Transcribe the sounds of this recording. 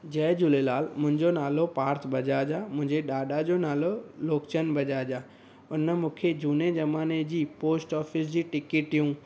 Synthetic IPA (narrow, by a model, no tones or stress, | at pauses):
d͡ʑɐːd͡ʑʊlelaːlmʊ̃ɦɪ̃ɲd͡ʑonaːlopaːɾt̪ʰbɐd͡ʑaːd͡ʑaːmʊ̃ɦɪ̃ɲd͡ʑeɗaːɗad͡ʑonaːloloːkt͡ɕənbʱɐd͡ʑaːd͡ʑaː | ʊnəmũːkʰed͡ʑuːned͡ʑɐmaːned͡ʑiːpoːsʈɔːfis̬d͡ʑiːʈɪkɪʈijũ